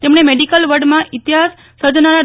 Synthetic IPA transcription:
t̪emɳ̃emeɖikəlʋəɖmãʔit̪jɦasːəd̪ʱnaɾa

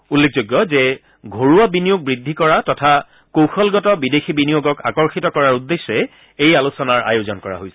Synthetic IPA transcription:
ulːek̚ʰzoɡːɔzɛ | ɡʱoɹuabinijoɡ̚bɹidʱːikɔɹatɔtʰa | kowxɔlɡɔtɔbidexʰibinijoɡɔka̰kɔɹxitɔkɔɹaɹudːesːɔɛ | ejalusɔnaɹa̰jozɔnkɔɹa̰ɦojsɛ̥

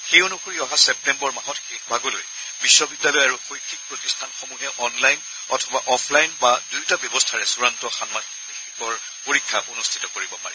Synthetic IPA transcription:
xejonuxoɹiɔɦasɛp̚tɛmbɔɹmaɦɔtxexbʱaɡɔlo̰j | bisːɔbidjalɔjaɹuxojtʰik̚pɹotistʰanxomuɦɛʔɔnlajn | ɔ̰tʰɔbaʔɔpʰlajnbadujtabjɔbɔstʰaɹɛsuɹantɔxanmaniixikɔɹ | poɹikʰːaonustʰi̥tɔkoɹibɔpa̰ɹɛ̰

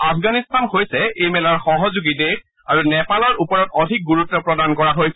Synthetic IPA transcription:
apʰɡanistanhojsɛejmɛlaɹxɔɦɔzuɡitek | aɹunɛpalɔɹʔupɔɹɔtɔdʱik̚ɡuɹutːɔpɹɔdankɔɹaɦojsɛ

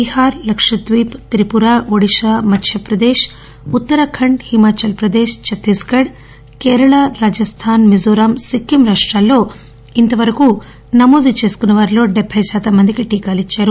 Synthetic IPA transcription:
bihaːɾlɐkʂɐt̪ʋiːpt̪ɾipuɾaːʋoɽiʃaːmɐt̪ʰjɐpɾɐd̪eːʃ | ut̪ːɐɾɐkʰɐɳɖhimaːt͡ʃɐlpɾɐd̪eːʃt͡ʃɐt̪iskɐɽ | kɛːɾɐɭaːɾaːd͡ʒɐst̪ʰaːnmizoːɾaːmsikːimɾaːʂʈɾaːlːo̞ː | int̪ɐʋɐɾɐku | nɐmoːd̪ut͡ʃe̞ːsu̥kunːɐʋaːɾilo̞ːɖɛbʱɐjʃaːt̪ɐmːɐnd̪ikiʈiːkaːlit͡ʃːaːɾu

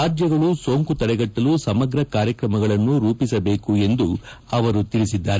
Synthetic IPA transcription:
aːd͡ʒ̪jɐɡɐɭuso̞ːŋkut̪ɐɾɛɡɐʈːɐlusɐmɐɡɾɐkaːɾjɐkɾɐmɐɡɐɭɐnːuɾuːpisɐbe̞ːkue̞nd̪u | ɐʋɐɾut̪iɾisid̪ːaːɾe

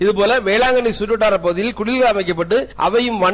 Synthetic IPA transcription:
ɪðɯpoːlɐʋeːɭaːŋɡɐniɪsʊʈːɯʈːaːɾɐpoːðɪjɪlkʊɽɪlɣɐɐmɐɪkːɐpːɐʈːɯʔɐ̰ʋɐjɯmʋɐɳ

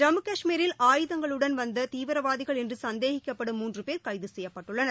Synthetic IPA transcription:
ɾɐmɯkɐʂmiːɾɪlaːjɯðɐŋɡɐɭɯɽɐnʋɐnd̪ɐt̪iːʋɐɾɐʋaːðɪɣɐɭɛndrɯsɐnd̪eːɣɪkːɐpːɐɽɯmːuːndrɯpeːɾkɐɪðɯsɛjːɐpːɐʈːɯɭːɐnɐ

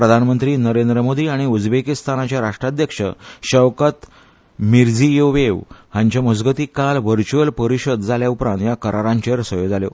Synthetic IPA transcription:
pɾəd̪ʱanmənt̪ɾiːnəɾend̪ɾəmod̪iːaɽ̃iud͡zbekist̪anat͡ɕjaɾaʂʈɾad̪jəkʂə̰ɕəʋkət̪ | miɾd͡zijoʋeʋhãɲt͡ɕaməd͡zɡət̪ikalʋəɾt͡ɕuəlpəɾiɕəd̪d͡zaljaupɾãnt̪jakəɾaɾãɲt͡ɕeɾsəjod͡zaljo̰

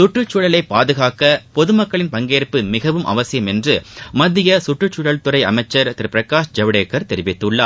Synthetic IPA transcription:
sʊʈrɯt͡ʃːʊɽɐɭɐɪpaːðɯɣaːkɐpɔðɯmɐkːɐɭɪnpɐŋɡeːɾpːɯmɪɣɐʋɯmʔɐ̰ʋɐsɪjɐmɛndrɯmɐðːɪjɐsʊʈrɯt͡ʃːʊɽɐɭt̪ʊɾɐɪɐmɐɪt͡ʃːɐɾt̪ɪɾpɪɾɐkːaːʂd͡ʒɐʋɪɽeːkːɐɾt̪ɛɾɪʋɪt̪ːɯɭːaː

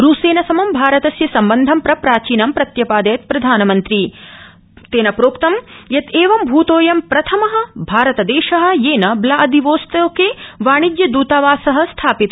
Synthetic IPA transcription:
ɾuːseːnɐsɐmɐmbʱaːɾɐt̪ɐsjɐsɐmbɐnd̪ʱɐmpɾɐpɾaːt͡ʃiːnɐmpɾɐt̪jɐpaːd̪ɐjɐt̪pɾɐd̪ʱaːnɐmɐnt̪ɾi | t̪eːnɐpɾoːkt̪ɐmjɐt̪eːʋɐmbʱuːt̪oːjɐmpɾɐt̪ʰɐmɐɦɐ̆bʱaːɾɐt̪ɐd̪eːʃɐɦɐ̆jeːnɐblɐʔɐd̪iʋoːst̪ɐkeʋaːɳid̪jɐd̪uːt̪ɐʋaːsɐɦɐ̆st̪ʰaːpit̪ɐ

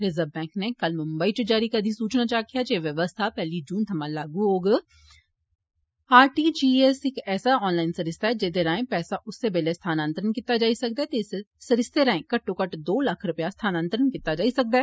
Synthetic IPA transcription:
ɾɪzəbbɛ̃ːŋknekɐlmʊ̃mbəit͡ʃod͡ʒaːɾikad̪ʱisuːt͡ʃnat͡ʃaːkijad͡ʒeːʋjɐʋəst̪ʰapɛːlid͡ʒũːnt̪ʰɐmãlaːɡũɦoːɡ | aːɾʈiːd͡ʒiːɛsɪkɛːsaɔːnlaːɪnsɐɾɪst̪aɦɛd͡ʒeːd̪eɾaːẽpɛːsaʔʊsːebeːlest̪ʰaːnãːnt̪əɾənkɪt̪ːad͡ʒaːisɐk̚d̪aɛt̪esesɐɾɪst̪eɾɐẽkɐʈːõkɐʈd̪oːlɐkʰɾʊpjast̪ʰaːnãːnt̪əɾənkɪt̪ːad͡ʒaːisɐk̚d̪a

